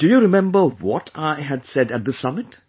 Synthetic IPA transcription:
d̥ɨjuɾɪmɛ̃mbə˞wɔtʰaɪɨdsɛdɨt̪̚ðəsʌmɪt

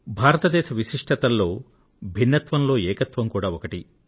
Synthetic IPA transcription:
bʱaːɾɐt̪ɐd̪ɛːʃɐʋiʃiʂʈʰɐt̪ɐlːo̞ː | bʱinːɐt̪ʋɐnlo̞ːɛːkɐt̪ʋɐmkuːɽaːokɐʈi

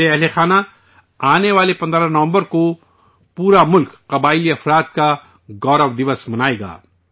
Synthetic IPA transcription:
eɛɦlexaːna | aːneʋaːlepɐ̃nd̪ɾãnɐʋə̃mbəɾko | puːɾamʊlkːɐbaːɪliɐfɾaːt̪̚ka | ɡɔːɾəʋd̪ɪʋəsmɐnaːeːɡa̰ː

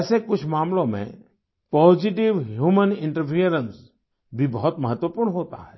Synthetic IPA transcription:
ɛːsekʊt͡ʃʰmaːmlõmḛ̃ | pɔːd͡ʒɪʈ̬ɪʋɦjuːmənɪ̃ɳʈəɾpʰiəɾəns | bʱibɔɦʊt̪məɦət̪wəpʊːɾɳɦoːt̪a̰ɦɛː

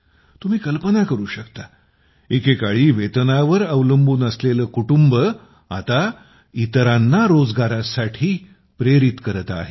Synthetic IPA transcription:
t̪um̤iːkəlpənakəɾuːɕəkt̪a | ekekaɭiːʋet̪ənaʋəɾəʋləmbuːnəsleləːkuʈumbə | a̰t̪a | it̪əɾanːaɾod͡zɡaɾasaʈʰiː | pɾeɾit̪kəɾət̪a̰ɦe

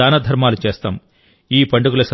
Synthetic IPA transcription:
aːnɐd̪ʱɐɾmaːlut͡ʃeːst̪aːm | iːpɐɳɖuɡulɐsɐ

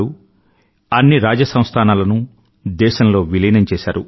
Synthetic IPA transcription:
u | ɐnːiɾaːd͡ʒɐsɐ̃w̃st̪ʰaːnaːlɐnu | d̪ɛːʃɐmlo̞ːʋilɐjnɐmt͡ʃɛːʃaːɾṵ

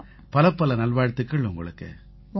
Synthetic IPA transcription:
pɐlɐpːɐlɐnɐlʋaːɻt̪ːɯkːɐɭʊŋɡɐ̰ɭɯkːɯ̰

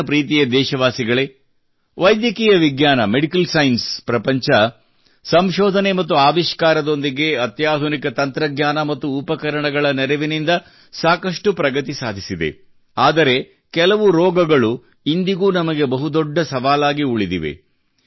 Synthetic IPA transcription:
pɾiːt̪̬ijɐd̪ɛːʃɐʋaːsiɡɐɭe̞ | ʋɐjd̪jɐkiːjɐʋiɡjaːnɐmeɽikɐlsɐjnspɾɐpɐɲt͡ʃɐ | sɐmʃɔːd̪ʱɐnemɐt̪̬ːuaːʋiʃkaːɾɐd̪o̞nd̪iɡe̞ɐt̪jaːd̪ʱunikɐt̪ɐnt̪ɾɐɡɲaːnɐmɐt̪ːuːpɐkɐɾɐɳɐɡɐɭɐnɛɾɐʋinind̪ɐ | saːkɐʂʈupɾɐɡɐt̪isaːd̪ʱisid̪e̞̰ | aːd̪ɐɾe̞ | kɛlɐʋuɾɔːɡɐɡɐɭu | ind̪iɡuːnɐmɐɡe̞bɐɦud̪ɔɖːɐsɐʋaːlaːɡiuɭid̪iʋḛ

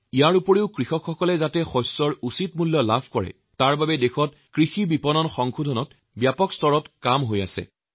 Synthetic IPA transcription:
ijaɹupɔɹeʊkɹixɔkʰxɔkɔlɛzatɛxɔsːɔɹusitmulːɔlabʱkɔɹɛ̰ | taɹbabɛdexɔt̚ | kɹixibipɔnɔnxɔŋxudʱɔnɔt | bjapɔkstɔɹɔtkamɦoja̰sɛ̰

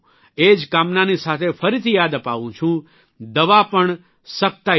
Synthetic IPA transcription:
ed͡ʒkamnanisat̪ʰefəɾit̪ʰijaːd̪əpa̰ʋũt͡ʃʰũ | d̪əʋapəɳ | sək̚t̪a

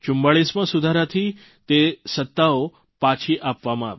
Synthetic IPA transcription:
t͡ʃʊ̃mbaɭismãsud̪ʱaɾat̪ʰi | t̪esət̪ːao | pat͡ʃʰiʔapʋamãa̰ʋe

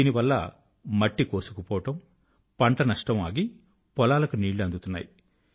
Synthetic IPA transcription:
iːniʋɐlːɐ̰ | mɐʈːikoːsu̥kupɔːɐʈɐm | pɐɳʈɐnɐʂʈɐmaːɡi | pɔlaːlɐkuniːɭluɐnd̪ut̪unːa̰ːji

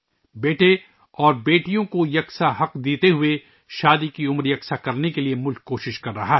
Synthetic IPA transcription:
beːʈe | ɔːɾbeːʈijõkojɐksaɦɐqd̪eːt̪eɦʊe | ʃaːd̪ikiʊmɾjɐksakɐɾnekeliemʊlkːoːʃɪʃkɐɾːɐɦaɦ

